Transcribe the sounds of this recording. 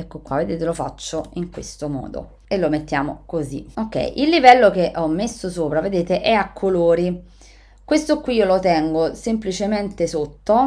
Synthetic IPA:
ɛkːokwaved̪eːt̪̬elofa̰t͡ʃːoiŋkwest̪omɔ̰ːd̪o̰ | elːomet̪ːjaːmo̰kozḭokːɛ̰jʔilːivɛlːok̟eʔɔmːesːosoːpɾaved̪eːt̪eʔɛakʰːoloːɾi | kwest̪okwiiːolot̪ɛŋɡosemplit͡ʃement̪esot̪ːo

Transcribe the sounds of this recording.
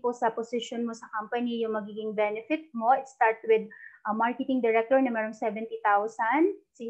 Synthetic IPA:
posɐposɪʃonmosɐkɐmpɐnijʊŋmɐɡiːɡɪŋbɛnɪfɪt̪̚mo̞ʔɪt̪st̪aɹt̪wɪd̪̚ʔɐmaɹkɛt̪ɪŋd̪ɛɹɛk̚t̪ɔɹnɐmɛːɾoŋsɛvɛnt̪it̪awsɐnsi

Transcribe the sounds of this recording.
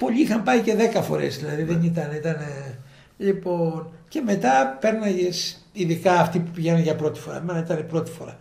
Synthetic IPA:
po̞ʎiixɐmpɐice̞ðe̞kɐfo̞̰ɾḛzðilɐðiðenit̪ɐneit̪ɐne | ʎipo̞nce̞me̞t̪ɐpe̞ɾnɐʝes | iðikɐːft̪ipupiʝenɐʝɐpɾo̞t̪i̥fo̞ɾɐ̰menɐit̪ɐnepɾo̞t̪i̥fo̞ɾɐ

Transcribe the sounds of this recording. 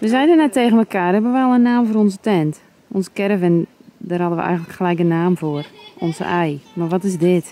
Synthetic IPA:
ʋəzɛjdənɛtːeːɣənməkaːrhɛbəʋəalˠənaːmfoːɾɔnzətɛnt | ɔnsə̥kɛrəvɛndərhɔdənʋə̰ʔɛ̰jɣəntləkxəlɛjkənːaːmfoərʔɔnzə̰ʔɛjmarʋɔtɪsdɪt

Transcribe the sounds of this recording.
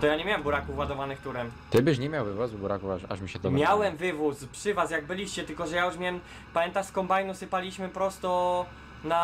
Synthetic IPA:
t̪ɔjaɲɛmʲjawɛmbuɾakufwad̪ɔvanɘɪxt̪uɾɛmt̪ɘbɘɕɲɛmʲjawvɘvɔsubuɾakufaʂa̰ʂmʲiɕɛt̪ɔmʲjawɛmvɘvuspʂɘvasjaɡbɘlʲiɕt͡ɕɛt̪ɘlkɔʐɛjajuʂmʲɛm | pamjɛnt̪aʂskɔmbajnusɘpalʲiɕmɘpɾɔst̪ɔ | na

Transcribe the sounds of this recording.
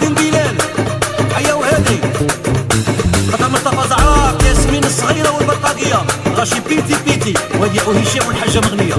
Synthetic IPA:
inb̪ilæn | ħajːæwhæd̪i | qɑt̪ːɑməɾt̪ɑfɑzˤʕɾɑkæsminəsˤːɣiɾɑwəlbɑɾqɑd̪əjːaɣæʃipit̪ipit̪iwhæd̪jæʔuhiʃæwəlħaʒːaməɣnəjːa

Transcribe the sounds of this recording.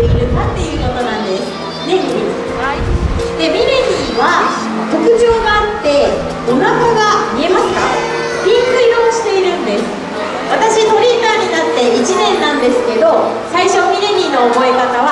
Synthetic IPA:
iɾɯ̟kat̪ːe̞jɯ̟ːk̪o̞t̪o̞nãnd̪e̞sɨ̥ | ne | d̪e̞mʲiɾe̞ɲʲiːβa | ko̞kɯ̟ʑo̞ːɡaat̪ːe̞ | onakoɡamʲie̞masɨ̥ka̰ | bʲĩŋkɯ̟iɾo̞ːɕi̥t̪e̞iɾɯ̟̃nd̪e̞sɨ̥ | βat̪aɕit̪o̞ɾʲiːt̪aːɲ̟inat̪ːe̞it͡ɕinẽ̞nːãnd̪e̞sɨ̥ke̞d̪o̞ | saiɕo̞mʲiɾe̞ɲʲiːno̞ːmo̞ekat̪aβa

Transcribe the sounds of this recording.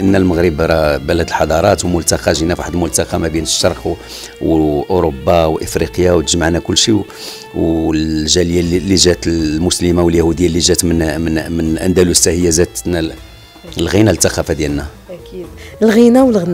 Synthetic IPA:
ʔənːælməɣɾəbɾˤɑbælæd̪əlħɑd̪ˤɑɾˤɑt̪wmʊlt̪ɑqɑʒinæfaħəd̪lmʊlt̪ɑqɑmæbinəʃːɑɾˤq | wʔoɾobːawʔəfɾiqjawt̪əʒmaʕnækʊlːʃi | wʒæljallːiʒæt̪lmʊsləmawəljæhud̪əjːalːiʒæt̪mnmənmənʔæ̰nd̪ælusæhəjːazæd̪næ | lɣinælt̪ːæqɑfad̪jælnæ | lɣinawəlɣ

